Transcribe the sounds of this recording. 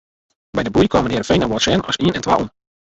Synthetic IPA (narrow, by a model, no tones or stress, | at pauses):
bɛjdəbujkʰɔmədɪːɾəfejnəwɔtsɛnɔ̰siənɛntʋa̰ʔṵn